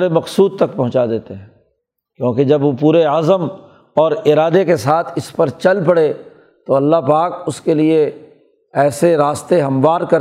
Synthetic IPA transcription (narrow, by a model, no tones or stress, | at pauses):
ɾemɐqsuːd̪̚t̪ɐk̚pɐɦʊ̃t͡ʃad̪eːt̪eɦɛ̃ː | kjõːked͡ʒɐbʋopuːɾeazəm | ɔːɾɪɾaːd̪ekesaːt̪ʰɪspɐɾt͡ʃɐlpɐɽe | t̪oɐlːaɦpaːkʊskelie | ɛːseɾaːst̪eɦɐ̃mʋaːɾkɐɾ